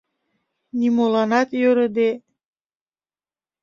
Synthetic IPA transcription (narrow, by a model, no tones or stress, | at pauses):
nimolɑnɑt̪jøɾə̆d̪e